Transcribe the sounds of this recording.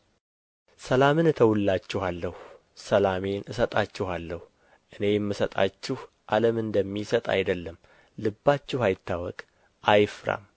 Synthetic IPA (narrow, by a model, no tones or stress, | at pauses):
səlamɨnɨt̪ʰəwulːat͡ʃːɪhalːəhu | səlame̞nɨsət̪ʼat͡ʃːɪhalːəhu | ʔɨne̞jɛmːɨsət̪ʼa̰t͡ʃːɪh | ʔaləmɨnd̪əmːisət̪ʼa̰jd̪əlːəm | lɨbːat͡ʃːɪhajɪt̪ːawɔ̰kʼ | ʔajfɨɾa̰m